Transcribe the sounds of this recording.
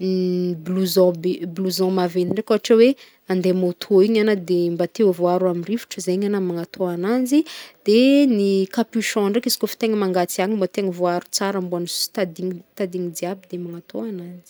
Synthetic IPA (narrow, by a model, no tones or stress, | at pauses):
bluzɔ̃bbluzɔ̃maveniɳɖ͡ʐekoaʈ͡ʂawe | and̪emot̪ʰoiɲanəd̪embat̪ewvoaɾamirivi̥ʈ͡ʂəzeiɲanamaŋat̪ʰoananzid̪̥enikapyʃɔ̃ɳɖ͡ʐekizi̥kofi̥t̪eŋəmaŋɡat͡siaŋimbot̪eŋəvoaɾu̥t͡saɾambuanisu̥st̪ad̪iŋt̪ad̪iŋid̪iabid̪emaŋat̪ʰoananzi̥